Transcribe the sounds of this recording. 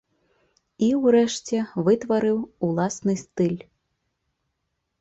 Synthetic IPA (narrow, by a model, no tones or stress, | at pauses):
iwɾɛʂt͡sʲɛvɨt̪vɐɾɨwulˠasnɨst̪ɨlʲ